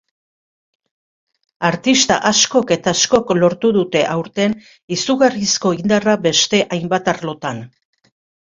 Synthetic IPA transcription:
aɾt̪ist̪a̰ʔasko̞ke̞t̪asko̞klo̞ɾt̪uðut̪e̞ʔawɾt̪e̞n | isuɣarisko̞ind̪arabe̞st̪e̞ʔajmbat̪arlo̞t̪an

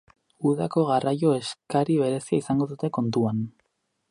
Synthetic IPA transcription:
uðako̞ɣarajo̞e̞skaɾiβ̞e̞ɾe̞siaisaŋɡo̞ðut̪e̞ko̞nt̪uan

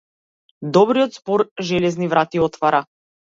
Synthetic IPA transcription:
d̪ɔbɾijɔt̪spɔɾʒɛlɛznivɾʔat̪iɔt̪vaɾa

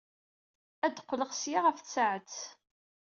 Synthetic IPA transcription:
æd̪qʷːləʁsjaʁəfθsaʕət͡s

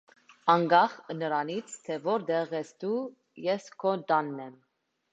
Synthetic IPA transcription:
ɑŋɡɑχnəɾɑnit͡sʰt̪ʰɛvɔɾd̪ɛʁɛst̪u | jɛskʰɔd̪ɑnːɛm

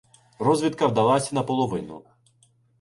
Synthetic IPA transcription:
rɔzʲʋʲit̪kɐwd̪ɐlˠasʲɐnɐpɔlˠɔʋɪnʊ̰

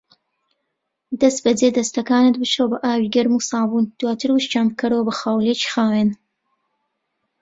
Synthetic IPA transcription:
d̪ɐst̪̚bɐded̪ɐst̪ɐkaːnɨt̪̚bɨt͡ʃowbɐʔaːwiːɡɐɾmusaːbuːnd̪̥waːt̪ʰɨɾwɨʃt͡ʃaːmkɐɾowbɐxaːwlet͡ʃi̥xaːweːn

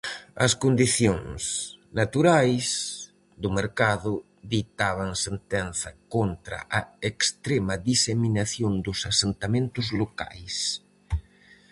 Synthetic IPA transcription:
ɐ̰skond̪iθjoŋsnat̪uɾajs | d̪ʊmeɾkaðʊ | ðit̪aβaŋsent̪ɛnθɐkont̪ɾɐ̰ʔaekst̪ɾemɐðiseminaθjond̪ʊsasent̪amẽnt̪ʊzloka̰js

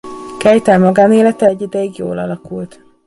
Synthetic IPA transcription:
kɛjt̪ɛlmɒɡaːneːlɛt̪ɛɟːid̪ɛjiɡjo̰ːlɒ̰lɒkult̪

